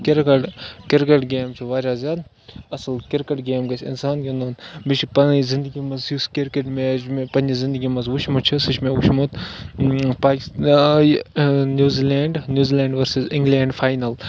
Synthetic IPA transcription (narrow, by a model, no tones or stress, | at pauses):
kiɾkɐʈkiɾkɐʈɡeːmt͡ʃʰiʋaːd͡ʒaːzjaːd̪ | ɐslkiɾkɐʈɡeːmɡɐsʰʲḭnsaːnkʲend̪onbit͡ʃʰipɐzĩnd̪əɡʲimɐnzjuskiɾkeʈmet͡ʃmepɐnʲizĩnd̪əɡʲimɐnzʋuʃʰmut͡ʃʰisɨt͡ʃʰmeʋuʃʰmut̪ | paːkʲ | njuːzileːɳɖnʲjuːziːleːɳɖʋɐɾsizɪŋɡleːɳɖfʰaːjnɐl